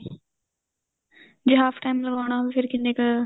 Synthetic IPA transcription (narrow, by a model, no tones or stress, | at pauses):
d͡ʑeɦaːfʈaːɪmlɐɡʋaːɽ̃aːbfɪɾkĩnd̪eːkɐ